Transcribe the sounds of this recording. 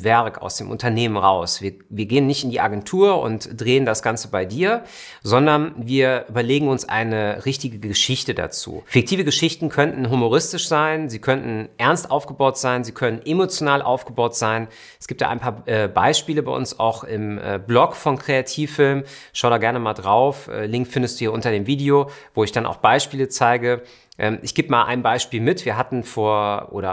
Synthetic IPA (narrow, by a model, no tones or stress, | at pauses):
vɛɐka̰ʊsd̥eːmʔʊ̰ntɐneːmənʁaʊsv̥iːɐviːɐɡeːənːɪçtɪndiːʔaɡɛntʰuːɐʊ̰ntd̥ʁeːəndasɡ̥ant͡səbaɪdiːɐ | zɔndɐnviːɐʔyːbɐleːɡŋ̩ʊnsʔa̰ɪnəʁɪçtɪɡəəʃɪçtəda̰t͡sṵːfɪk̚tʰiːvəɡəʃɪçtn̩kʰœntn̩ɦumoʁɪstɪʃz̥aɪnziːkʰœntn̩ʔɛɐnstʔaʊfɡ̥əbaʊtz̥aɪnziːkʰœnənʔemot͡sjonaːlʔa̰ʊfɡ̥əbaʊtz̥aɪn | ɛsɡ̥iːp̚td̥a̰aɪnpʰaːɐʔɛːba̰ɪʃpiːləbaɪʔʊnsa̰ʊxɪ̰mɛ̰ːblɔkfɔnkʁ̥eatʰiːfɪlmʃaʊɾaːɡɛɐnəmaːldʁaʊfʔɛ̰ːlɪŋk̚tfɪndəstd̥uːhiɐʔʊntɐdeːmviːdiovoːɪçd̥anʔa̰ʊxb̥aɪʃpiːlət͡saɪɡə | ʔɛːmʔɪçɡ̥eːbəmaːlʔa̰ɪnbaɪʃpiːlmɪtv̥iːɐɦatn̩foːɐʔo̰ːɾɐ̰